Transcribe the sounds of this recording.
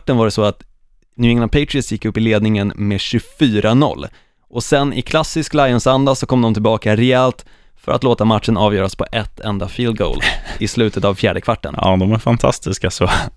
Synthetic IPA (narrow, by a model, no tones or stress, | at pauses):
ʈːənvaɖɛsɔat̪ | nʉ̟ːɪŋnapʰet̪ɾɪɪsjɪkːɵpːɪleːd̪nɪŋənmeɕɵfyːɾʔanɔ̰lː | ɔsɛnʔɪ̰kʰlasːɪsklajɔnsand̪asɔkʰɔmd̪ɔmt̪ʰɪlbɑːkaɾɛɛlt̪ | fœ̰ɾat̪loːt̪amat̪ʂənɑːvjœːɾaspʰɔʔɛt̪ʰːɛnd̪afiːld̪̚ɡo̰ʊlɪslʉ̟ːt̪ʰət̪avfjæːɖəkʰvaʈːə̰nɑ̰d̪ɔmæɾfant̪ʰa̰st̪ɪskasɔ